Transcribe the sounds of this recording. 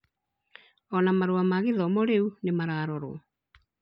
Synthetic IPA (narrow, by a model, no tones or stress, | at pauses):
ɔnamaɾoamaɣeðɔmɔɾeunemaɾaɾɔɾwɔ